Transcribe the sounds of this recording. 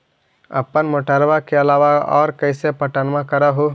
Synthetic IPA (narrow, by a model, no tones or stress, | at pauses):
ə̰pːənmoʈəɾbakeəlaʋaɔ̰ːɾkəɪsepəʈənmãkəɾaɦu